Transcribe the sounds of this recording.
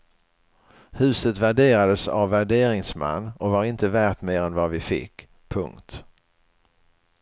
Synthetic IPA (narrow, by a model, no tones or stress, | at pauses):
hʉ̟ːsət̪væɖeːɾad̪əsa̰vːæɖeːɾɪŋsmɛ̰nːɔvaɾɪnt̪əvæːʈmeːɾɛnvavɪfɪ̰kː | pʰɵŋkt̪